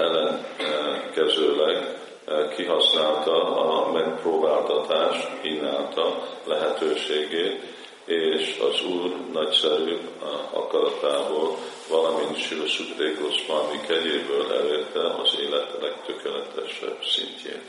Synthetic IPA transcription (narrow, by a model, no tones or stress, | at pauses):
ɛlːɛŋ | kɛzøːlɛɡ | kʰiɦɒsnaːlt̪ɒɒmɛkproːbaːlt̪ɒt̪aːʃt̪kiːnːaːlt̪ɒlɛɦɛt̪øːʃeːɡeːt̪ | eːʃɒ̰zuːrnɒcsɛɾyːɒ̰kɒɾɒt̪aːboːl | vɒlɒmint̪ʃilosud̪reːɡosbɒlɒmikɛɟeːbøːlʔɛ̰leːrt̪ɛʔɒ̰zeːlɛt̪lɛk̚t̪økɛlɛt̪ɛ̰ʃɛ̰bsḭɲcʰḛːn